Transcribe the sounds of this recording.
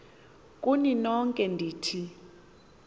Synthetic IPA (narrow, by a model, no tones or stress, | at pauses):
kʼuninɔŋkʼɛndʱiːtʰi